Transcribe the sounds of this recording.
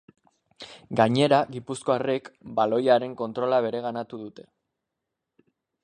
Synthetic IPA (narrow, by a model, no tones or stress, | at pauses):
ɡaɲe̞ɾaɣipusko̞arekbalo̞jaɾe̞ŋko̞nt̪ɾo̞laβ̞e̞ɾe̞ɣ̞anat̪uðut̪e̞